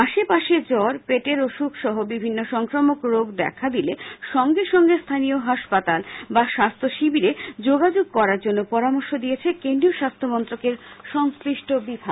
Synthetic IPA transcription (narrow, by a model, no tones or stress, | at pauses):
aʃepaʃed͡ʑɔɾpeʈeɾoʃukʃɔɦobibʱinːoʃɔŋkɾomokɾoɡd̪ɛ̰kʰad̪ileʃɔŋɡeʃɔŋɡest̪ʰanijoɦaʃpat̪albaʃast̪ʰoʃibiɾed͡ʑoɡad͡ʑoɡ̚kɔɾaɾd͡ʑonːopɔɾamoɾʃod̪ijet͡ɕʰekend̪ɾioʃast̪ʰomɔnt̪ɾokeɾ | ʃɔŋskɾiʃʈobibʱa